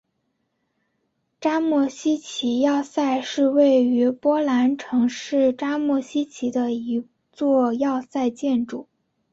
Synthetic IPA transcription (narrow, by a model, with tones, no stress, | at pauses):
ʈ͡ʂa˥mɔ˥˩ɕi˥t͡ɕʰi˧˥jɑ˥˧ʊsa˥˧ɪʂɻ̩˥˧we˥˩ɪy˧˥pwɔ˥la˧˥nʈ͡ʂʰɤ˧˥ŋʂɻ̩˥˩ʈ͡ʂa˥mwɔ˥˩ɕi˥t͡ɕʰi˧˥d̪ə˧i˧˥ | t͡swɔ˥˧jɑ˥˧ʊsa˥˧ɪt͡ɕjɛ˥˩nʈ͡ʂu˨˩˦